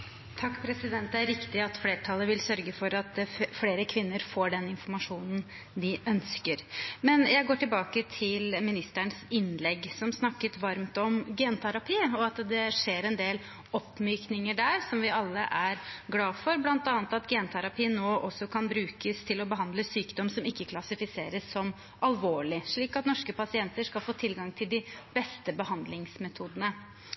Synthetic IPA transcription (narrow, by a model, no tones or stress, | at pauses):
t̪ʰɑkːpʰɾɛsɪd̪ɛnt̪ɛæɾɾɪkt̪ɪɑt̪fleːʈʰɑlˠːəʋɪlsœɾɡəfɔɾɑt̪̚fleːɾəkʰʋɪnːəɾfoːɖɛnɪnfɔɾmɑʂuːnən | d̪ɪʔœnskəɾmɛnjæɪɡoːʈɪlbɑːkət̪ʰɪlmɪnɪst̪æɳəsɪnlɛɡːsɔmsnɑkːət̪ʋɑɾmt̪ɔmɡɛːnt̪ʰæɾɑpʰiːɔɑt̪d̪ɛʂeːɾɛnd̪eːl | ɔpːmyːknɪŋəɖæɾsɔmʋɪɑlːə̰ʔæɾɡlɑːfɔɾblɑnt̪ɑːnət̪ɑt̪ɡeːnt̪ʰæɾɑpiːənːoːʔɔsːɔkʰɑnbɾʉːkəst̪ʰɪlɔbəɦɑnd̪ləsyːkd̪ɔmsɔmɪkːəkʰlɑsɪfɪseːɾəsːɔm | ʔɑlʋoːɭɪʂɭiːkɑt̪nɔʂkəpɑsɪɛnt̪əʂkɑlfoːt̪ʰɪlɡɑŋt̪ʰɪld̪ɪb̥ɛst̪əbəhɑnd̪lɪŋsmɛt̪ʰuːd̪ənə